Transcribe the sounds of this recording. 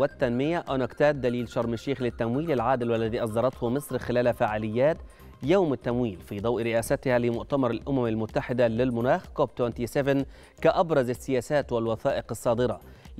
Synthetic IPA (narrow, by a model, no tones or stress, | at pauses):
wɪt̪ːanmɪjaʔʊnakt̪æːd̪ːaliːlʃɑɾˤmɪʃːiːxlɪt̪ːamwiːlɪlʕaːd̪ɪlwalːæðiːʔɑsˤd̪ɑɾˤɑt̪hʊmɪsˤɾxɪlæːlfaʕaːlɪjːaːt̪ | jaːmɪt̪ːamwiːlfiːd̪ˤɑwʔɾɪʔæːsat̪ɪhalɪmʊʔt̪amɑɾˤɪlʔʊmæmalmʊt̪ːaħɪd̪alɪlmʊnaːxkoːp̚t̪want̪isevɪn | kaʔɑbɾˤɑzɪsːɪjaːsaːt̪walwɑθæːʔɪqɨsˤːɑːd̪ɨɾˤɑ